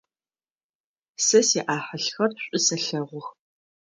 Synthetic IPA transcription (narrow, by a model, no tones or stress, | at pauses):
sɐsɛʔaːħəɬxɐrɕʷʼɪsɐɬɐʁʷʊx